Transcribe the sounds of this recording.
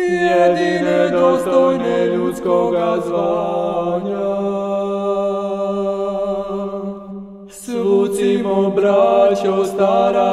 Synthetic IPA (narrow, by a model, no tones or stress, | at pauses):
jɛd̪inɛd̪ɔst̪ɔjnɛʎut̪skoɡazʋa | ɲa | sɾusimɔbɾat͡ʃost̪aɾa